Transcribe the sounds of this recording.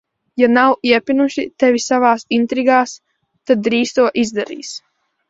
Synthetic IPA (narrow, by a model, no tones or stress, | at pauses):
janawiɛpʲinuʃit̪ɛvʲisavaːsint̪ɾiɡaːs | t̪ad̪̚ːɾiːst̪uɔʔizd̪aɾḭːs